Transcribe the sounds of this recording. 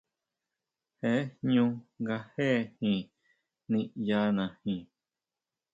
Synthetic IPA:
he˦hɲũ˦˧ɡa˧he˦hĩ˧ | nĩ˧ja˦nã˨hĩ˧

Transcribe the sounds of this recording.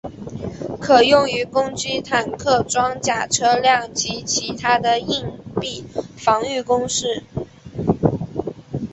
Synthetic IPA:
kʰɤ˨˩jʊ˥˩ŋy˧˥kʊ˥ŋt͡ɕy˥t̪ʰa˨˩nkʰɤ˥˩ʈ͡ʂwɑ˥ŋt͡ɕja˥˩ʈ͡ʂʰɤ˥ljɑ˥˩ŋt͡ɕi˧˥t͡ɕʰi˧˥t̪ʰa˥d̪ə˨i˥˧ŋpi˥˩fɑ˧˥ŋy˥˩kʊ˥ŋʂɻ̩˥˩

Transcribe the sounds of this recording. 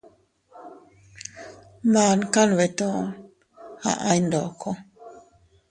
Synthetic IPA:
maː˨nka˦nwɛ˨tɔ̃ː˦ | ha̰˦ʔa˦jndɔ˨kɔ˦

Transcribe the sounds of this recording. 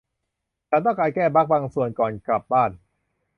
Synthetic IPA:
t͡ɕʰa˦˥nt̪ɔː˥˩klaː˧jkɛː˥˩ba˦˥k̚baː˧ŋsu˨˩ənkɔː˨˩nkla˨˩p̚baː˥˩n

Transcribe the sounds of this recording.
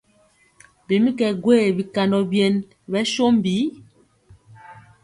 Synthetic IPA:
bi˨mi˦kɛ˨ɡwe˦˨bi˨ka˨ndɔ˨bje˨n | bɛ˦ʃo˦m˦bi˨˦

